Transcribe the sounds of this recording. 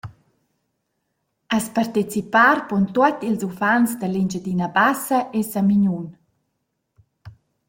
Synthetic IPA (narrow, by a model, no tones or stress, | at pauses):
aspart̪et͡sipaːɾpɔnt̪uat̪ilzufansd̪əlind͡ʒəd̪inabasəʔesamiɲun